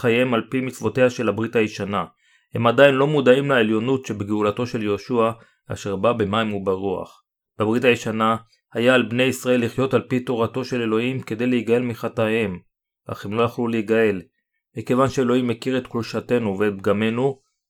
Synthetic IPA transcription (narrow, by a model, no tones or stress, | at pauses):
χajemalpimit͡svo̞te̞haʃe̞labʁitajiʃana | he̞madainlo̞mud̪aimlaeljo̞nutʃe̞beɡeulato̞ʃe̞ljeoʃua | a̰ʃeʁbabemajmubaʁua̰χ | b̥ebʁitajeʃana | hajaːlbne̞jisʁae̞lːiχjo̞talpito̞ʁato̞ʃe̞le̞lo̞himke̞d̪e̞jleiɡae̞lmiχatahe̞m | a̰χemlo̞jaχluleiɡae̞l | mike̞vanʃeelo̞imːekiʁet̪kluʃate̞nuveɡame̞nu